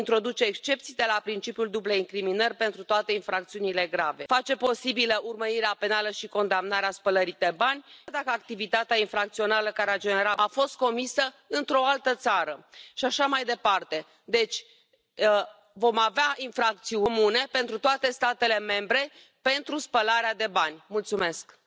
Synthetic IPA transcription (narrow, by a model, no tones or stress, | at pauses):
int̪ɾo̞d̪ut͡ʃe̞ːkst͡ʃe̞p̚t̪sijd̪elapɾint͡ʃipjuld̪ubleiŋkɾiminərʲpe̞nt̪ɾut̪oat̪e̞infɾak̚t̪siunile̞ɡɾave̞̰fat͡ʃe̞po̞sibiləʔurməɾiɾeape̞naləʃiko̞nd̪amnaɾeaspələɾid̪ebanʲd̪akəak̚t̪ivit̪at̪eainfɾak̚t̪sio̞naləkaɾead͡ʒe̞ne̞ɾaafo̞st̪̚ko̞misə | ɨnt̪ɾo̞alt̪ət̪saɾəʃiaʃamajd̪e̞part̪e̞ | d̪e̞t͡ʃʲ | vo̞maveaʔinfɾak̚t̪siumune̞pe̞nt̪ɾut̪oat̪e̞st̪at̪e̞le̞me̞mbɾe̞ | pe̞nt̪ɾuspəlaɾead̪e̞banʲmult̪sume̞sk